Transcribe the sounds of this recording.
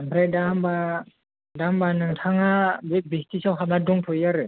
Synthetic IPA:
ampʰɾajdamba | dambanɯŋtʰaŋabebestisawɦapnadɔŋpʰɔjaɾɯ

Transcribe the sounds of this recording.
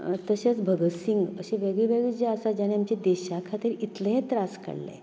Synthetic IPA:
t̪əɕat͡sbʱəɡəsiŋɡəɕeʋeɡɭiʋeɡɭid͡ʑeəsad͡ʑaneamt͡ɕed̪eɕakʰat̪iːɾit̪ləɦẽt̪ɾaskə̰ɽlḛ̃

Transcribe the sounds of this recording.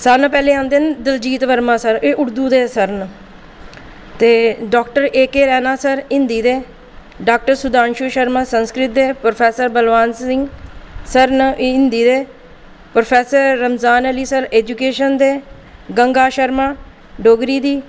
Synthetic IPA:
səɾnpɛːleːãːnd̪eːnd̪ɪld͡ʒiːt̪ʋəɾmãːsəɾeːʔʊɽd̪uːd̪eːsəɾn | t̪eːɖoːkʈəɾeːkeːɾɛːnaːsəɾɪ̃nd̪iːd̪eː | ɖaːk̚ʈəɾsʊd̪aːnʃuːʃəɾmãːsənskɾɪt̪̚d̪eːpɾopʰɛːsəɾbəlʋaːnsɪŋɡsəɾnɪnd̪iːd̪eː | pɾopʰɛːsəɾːəmzaːnəliːsəɾeːd͡ʒuːkeːʃənd̪eː | ɡəŋɡaːʃəɾmaː | ɖoːɡɾiːd̪iː

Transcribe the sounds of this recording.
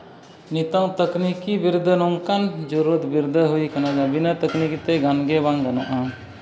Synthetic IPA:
nit̪aŋt̪əknikibiɾd̪ʱənɔŋkand͡ʒɔɾuut̪biɾd̪əɦujkanad͡ʒabinat̪əknikit̪ɛɡanɡɛbaŋɡanaʔa

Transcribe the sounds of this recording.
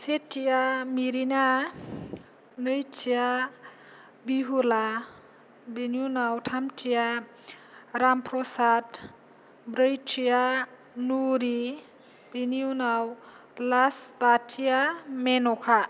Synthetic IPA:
setʰijamiɾina | nɯjtʰija | biɦula | biniunawtʰamtʰija | ɾampɾɔsad | bɾəjtʰija | nuɾi | b̥iniunawlasbatʰijamenɔkʰa

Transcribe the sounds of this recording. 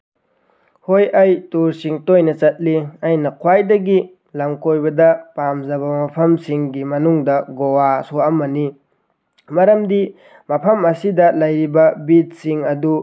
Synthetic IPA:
hojɐjtuɾsiŋtojnɐt͡ʃɐt̚liɐjnɐkʰwajdɐɡi | lɐŋkojbɐdɐpamzɐβɐmɐpʰɐmsiŋɡimɐnuŋdɐɡowasoɐmːɐni | mɐɾɐmdi | mɐpʰɐmɐsidɐlɐjɾibɐbit̚siŋɐdu

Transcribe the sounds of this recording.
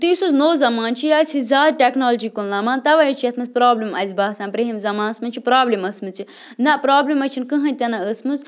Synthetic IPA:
t̪isoznoːzɐmaːnt͡ʃʰijaːsʲʰizaːd̪̚ʈʲeknoːld͡ʒikulnamaːnt̪ɐʋɐjit͡ʃʰijɐt̪ʰmɐzʲpɾaːblimɐ̰zʲbaːsãːnpɾeɦimzɐmaːnɐsmɐnt͡ʃʰipɾaːblimɐsmɨt͡sʰi | nɐpɾaːblimɐt͡ʃʰinkɨɦɐ̃nʲt̪ʲɐnɐəsmɨz

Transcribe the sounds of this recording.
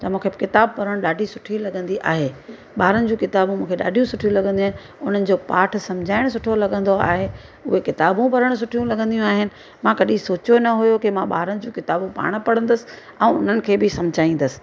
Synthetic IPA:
t̪ɐmũːkʰekɪt̪aːb̚pɐɾəɽ̃ɗaːɖʱisʊʈʰilɐɡə̃nd̪iʔa̰ːɦeː | ɓaːɾənɪ̆d͡ʑũːkɪt̪aːbũmũːkʰeɗa̰ːɖʱijũsʊʈʰijũlɐɠə̃nd̪iaɦɪnɪ | ʊn̤ənɪ̆d͡ʑoːpaːʈ̆ʰsɐ̃mʊd͡ʑʱaːɪɽ̃sʊʈʰolɐɠə̃nd̪oa̰ːɦe | ʊɦekɪt̪aːbũpɐɾəɽ̃s̬ʊʈʰijũlɐɠə̃nd̪ijũaːɦɪnɪ̆ | mãkɐɗĩsoːt͡ɕjonɐɦʊjokɪmãɓa̰ːɾəɽɪ̃̆d͡ʑũːkɪt̪aːbũpa̰ːɽ̃ʊ̆pɐɽə̃nd̪əsɪ̥̆ | ɛ̃ːʊ̰n̤ənɪ̆kʰeːbɪsɐmʊd͡ʑʱaːĩːnd̪əsɪ̥̆

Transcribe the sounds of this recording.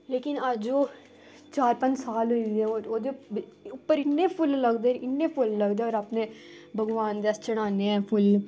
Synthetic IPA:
leːkɪnəd͡ʒoː | t͡ʃaːɾpə̃ɲd͡ʒsaːlɦʊiːd̪iɛ̃ːoːɾoːd̪eʊpːəɾɪnːeːpʰʊlləɡd̪eɪːepʰʊlləɡd̪eoːɾapneː | bʱəɡʋaːnd̪eəst͡ʃəɽ̃aːneːɛ̃ːpʰʊl

